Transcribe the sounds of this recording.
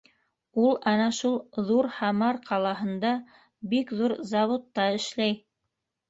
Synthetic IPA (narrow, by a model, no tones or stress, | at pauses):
ulˠɑnɑʃulˠðuɾhɑmɑɾqʰɑlˠɑɦɤ̆nd̪ɑ | bikðuɾzɑβot̪ːɑɘ̆ʃlæj